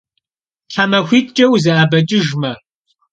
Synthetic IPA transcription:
ɬʰamɐxʷiːtt͡ʃʼɐwzɐʔabɐt͡ʃʼɪʒmɐ

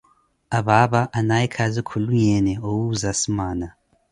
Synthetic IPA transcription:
aβaβaʔanaikʰazikʰuluɲɛnɛowuzasimaːna

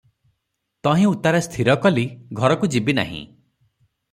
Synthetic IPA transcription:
t̪ɔɦĩut̪aɾast̪ʰiɾɔkɔliɡʱɔɾɔkud͡ʒibina̰ɦḭ̃

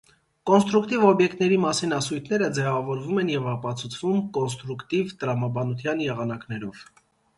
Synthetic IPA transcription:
kɔnst̪ɾukt̪ivɔbjɛkt̪nɛɾimɑsinɑsujt̪ʰnɛɾəd͡zɛvɑvɔɾvumɛnjɛvɑpɑt͡sʰut͡sʰvumkɔns̬t̪ɾukt̪ivt̪əɾɑmɑbɑnut̪ʰjɑnjɛʁɑnɑknɛɾɔv̥

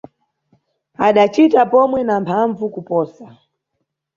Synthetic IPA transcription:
aɗat͡ʃitapɔmwɛnampʰaɱvukupɔːsa

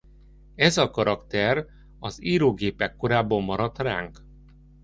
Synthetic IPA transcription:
ɛzɒkɒɾɒkt̪ɛr | ɒziːɾoːɡeːpɛkːo̞ɾaːbomːɒɾɒt̪ra̰ːŋk

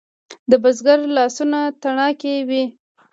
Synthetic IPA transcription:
d̪əbazɡaɾlɑsunat̪aɳɑkewi

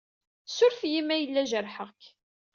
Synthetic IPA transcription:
sʊɾfjimːæjəlːæʒəɾħəʁk

